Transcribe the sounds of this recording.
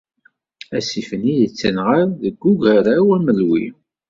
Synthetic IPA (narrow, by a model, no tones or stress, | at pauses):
æsifəniðət͡sːənʁaɾðəɡːuɡaɾawæməlwḭ